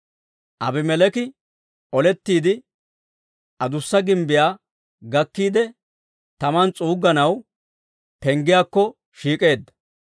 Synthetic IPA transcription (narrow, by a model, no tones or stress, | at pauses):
ʔɐbɪmɛlɛkɪ | ʔɔlɛt̪ːiːd̪ɪ | ʔɐd̪ʊsːɐɡɪmbɪjaː | ɡɐkːiːd̪ɛ | t̪ɐmɐnt͡sʼuːɡːɐnɐw | pɛŋɡɪjaːkːɔ | ʃiːkʼe̞ːd̪ːɐ̥